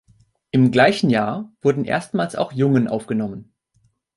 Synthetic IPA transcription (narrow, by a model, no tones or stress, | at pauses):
ʔɪmɡlaɪçn̩jaːɐv̥ʊɐdn̩ʔḛːɐstmaːlsa̰ʊxjʊŋənʔa̰ʊfɡ̥ənɔmən